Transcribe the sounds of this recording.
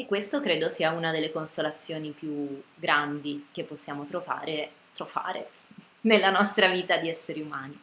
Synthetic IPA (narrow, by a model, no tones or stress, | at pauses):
ekːwest̪okɾeːd̪osiːaunad̪elːekonsolat̪sːjoːnipjuɡɾand̪ik̟epːosːjaːmot̪ɾova̰ːɾe | t̪ɾova̰ːɾḛ | nelːanɔst̪ɾaviːt̪ad̪iɛsːeɾiumaːni